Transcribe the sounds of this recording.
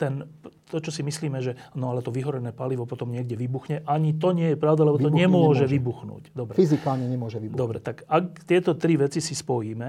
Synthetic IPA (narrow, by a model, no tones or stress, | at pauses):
t̪ɛnt̪ɔt͡ʃɔsimisliːmɛʒɛnɔalɛt̪ɔʋiɦɔɾɛnɛːpaliʋɔpɔt̪ɔmɲɪɛɡɟɛʋibuxɲɛʔaɲit̪ɔɲɪɛjɛpɾaʊd̪alɛbɔt̪ɔɲɛmʊɔʒɛʋibuxnṵːcd̪ɔbɾɛfizikaːlɲɛɲɛmʊɔʒɛʋibd̪ɔbɾɛ̰t̪akakt̪ɪɛt̪ɔt̪ɾiʋɛt͡sisispɔjiːmɛ